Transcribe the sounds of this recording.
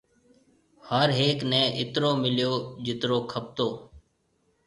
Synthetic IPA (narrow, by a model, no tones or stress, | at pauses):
həɾɦeːknɛ̃ːʔɪt̪ɾoːmɪljoːd͡ʒɪt̪ɾoːkʰəp̚t̪oː